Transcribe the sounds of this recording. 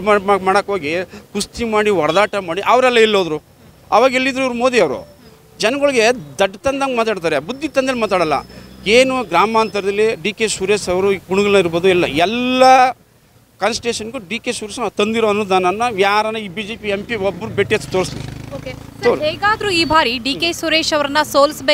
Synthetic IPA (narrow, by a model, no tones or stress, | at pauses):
maːmaːmaːɽɐkɦoːɡikust̪imaːɽiɦɔɽɐd̪aːʈɐmaːɽiʔɐʋɾɛlːɐilːoːd̪ɾu | ɐʋaːɡilːid̪ɾuiʋɾumoːd̪iɐʋɾṵ | d͡ʒɛnɐɡoɭɡed̪ɐɖːt̪ɐnd̪ɐŋɡmaːt̪̬aːɽt̪aːɾebud̪ʱːit̪ɐnd̪ɐlmaːt̪aːɽɐlːɐ̰eːnuɡɾaːmaːnt̪ɐɾd̪ɐlːiɖiːkesuɾeːʃɐʋɾuɡuɳuɡɐlːɐiɾboːd̪uɛlːɐɛlːɐ | kɐnsʈʈeːʃɐnɡuɖiːkesuɾeʃɐnat̪ɐnd̪iɾoɐnːuːd̪aːnɐnːɐʋjaːaɾɐnɐiːbiːd͡ʒeːpiempiobːɾubeʈːijɐt̪ːu̥t̪oːɾslioːkesoɾɦeːɡaːd̪ɾuiːbʱaːɾiɖiːkeːsuɾeːʃɐʋɾɐnːɐsoːlsbeː